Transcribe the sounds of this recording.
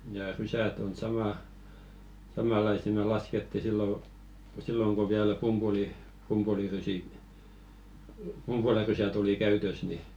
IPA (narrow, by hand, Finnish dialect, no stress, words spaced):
jɑ rysæt on sɑmɑˑ sɑmɑˑlɑisi me lɑsketːi silːo silːoŋ ko ʋiæl pumb̥uli pumpulirysi pumpulɑrysæt oli kæytøs ni